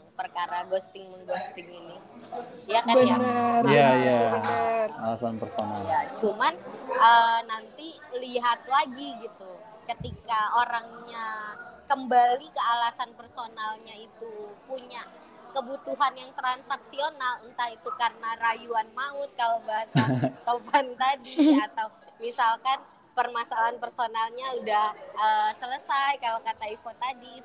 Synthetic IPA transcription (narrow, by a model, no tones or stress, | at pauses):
pərkaɾaɡost̪ɪŋməŋɡost̪ɪŋini | jakabəanəjajabənəralasanpərsonajat͡ʃumanənant̪i | liɦat̪̚laɡiɡit̪u | kət̪ikaoɾaŋɲakəmbalikəalasanpərsonalɲait̪upuɲa | kəbut̪uɦanjaŋt̪əɾansaksionalənt̪ait̪ukarənarajuanmaʊt̪̚kalabaasat̪opant̪adiat̪awmisalkan | pərmasalaanpərsonalɲaudahəsələsajkalakat̪aifot̪adi